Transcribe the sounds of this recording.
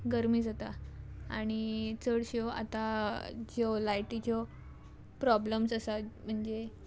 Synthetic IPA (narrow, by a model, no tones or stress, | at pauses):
ɡəɾmiːd͡zat̪aaɽ̃it͡səɽɕoa̰t̪ad͡ʑɔlajʈit͡ɕɔ | pɾɔbləmsəsam̤əɳd͡ze